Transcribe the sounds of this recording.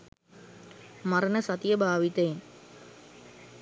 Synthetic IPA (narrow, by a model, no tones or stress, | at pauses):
mɐɾɐnəsɐt̪ijəbʱaːʋit̪ɐjen